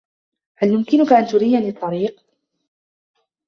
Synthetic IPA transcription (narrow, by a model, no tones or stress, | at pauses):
haljʊmkɪnʊkaʔant̪ʊɾiːanit̪ˤːɑɾiːq̚